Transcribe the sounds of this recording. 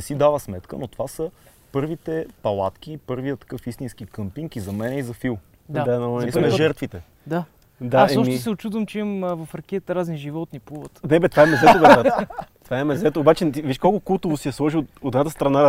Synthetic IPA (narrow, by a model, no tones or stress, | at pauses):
ɛsid̪avəsmɛt̪kə̰not̪o̥vasə | pɤɾvit̪ɛpɐlˠa̰t̪k̟ʲipɤɾvijət̪ɐ̥kɤfist̪insk̟ikɤmpiŋkizɐmɛnɛizɐfilˠ | d̪ad̪anɐsʒɛɾt̪vit̪ɛ | d̪a | d̪asɛɔʃmisɛʊt͡ʃud̪vəmt͡ʃimvɐfɾɐkʲɛt̪ɾazɛnʒivɔt̪nipuvət̪nɛbɛt̪vaɛmɛzɛt̪obɛat̪t̪vaɛmɛzɛt̪ooːbat͡ʃɛt̪iviʃkolˠkʊkulˠt̪ovʊsiɛslˠɔʒioot̪ɛd̪nat̪əst̪ɾɐna